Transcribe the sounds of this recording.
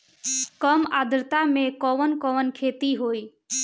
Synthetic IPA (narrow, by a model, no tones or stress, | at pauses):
kəmad̪ɾət̪amẽkɔʋənkɔʋənkʰet̪iɦoːi